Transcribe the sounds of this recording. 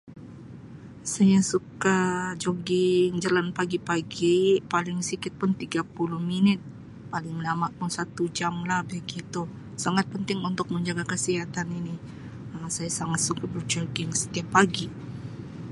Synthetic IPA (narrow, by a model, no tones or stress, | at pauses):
sajasukad͡ʒoɡɪŋd͡ʒalanpaɡipaɡipalɪŋsikɪt̪̚pʊnt̪iɡapulʊhminɪt̪̚ | palɪŋmənamaʔkʊnsat̪ud͡ʒamlahbaɡit̪u | saŋat̪̚pənt̪ɪŋunt̪ʊk̚məɲd͡ʒaɡakəsiɦat̪aninɪ | əmsajasaŋat̪̚sukabərd͡ʒoɡɪŋsə̥t̪iapːaɡi